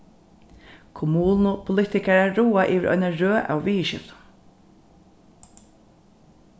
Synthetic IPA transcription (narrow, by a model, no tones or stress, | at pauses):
kʰʊmuːnʊpʰʊlɪt̪ɪkaɹaːuːaʔiːʋɪɾʔɔ̰ʏnaɹøːʔa̰wviːʃɪ̰ft̪